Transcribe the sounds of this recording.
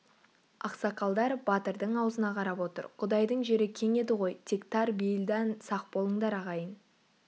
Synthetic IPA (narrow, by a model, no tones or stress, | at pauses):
ɑqsɑqɑlˠd̪ɑɾbɑt̪əɾd̪əɴɑwəzənɑqʰɑɾɑpwo̞t̪ə̰ɾqʰʊd̪ɑjd̪əɴʒe̞ɾɪkʲʰe̞ŋe̞d̪ɪʁo̞jt̪ʲʰekt̪ɑɾbejɪld̪ænsɑq̚bo̞lˠəɴd̪ɑɾɑʁɑjən